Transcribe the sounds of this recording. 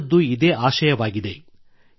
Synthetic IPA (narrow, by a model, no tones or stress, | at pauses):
d̪ːuid̪eːʔaːʃɐjɐʋaːɡid̪e̞